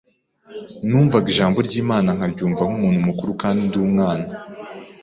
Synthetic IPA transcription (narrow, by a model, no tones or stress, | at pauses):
nuːɱvaɡiʒaːmbo̞ɾɟiːmaːnaŋ̥aɾɟuːɱvaŋ̥umuːn̥humukuɾukaːndindiumŋaːna